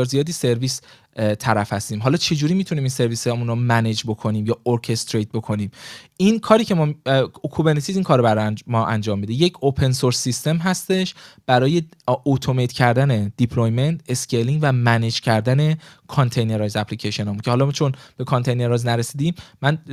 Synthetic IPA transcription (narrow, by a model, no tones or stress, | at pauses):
ɒɾzijɒːd̪iːse̞ɾviːs | t̪ʰæɾæfhæst̪iːmɦɒːlɒːt͡ʃʰe̞d͡ʒuːɾiːmit̪ʰuniːminse̞ɾviːsmunɾomæned͡ʒbo̞kʰo̞niːmjɒːoɾcʰe̞st̪ɾejt̪̚bo̞kʰo̞niːminkʰɒːɾiːcʰe̞mːkʰubeɾnet̪ʰiziːnkʰɒːɾbæɾmɒːʔæ̰nd͡ʒɒːmːid̪eje̞cʰopʰe̞nsoɾsːist̪e̞mɦæst̪e̞ʃb̥æɾɒːje̞ot̪ʰomejt̪ʰcʰæɾd̪æne̞d̪̥ipʰlojme̞nt̪ʰe̞skʰeliŋɟvæmæned͡ʒcʰæɾd̪æne̞kʰont̪ʰe̞jneɾɒjzæpʰlicʰeʃe̞nɒːmuncʰehɒlɒmt͡ʃʰo̞nb̥e̞kʰont̪ʰe̞jne̞ɾɒjznæɾesiːd̪iːmmæn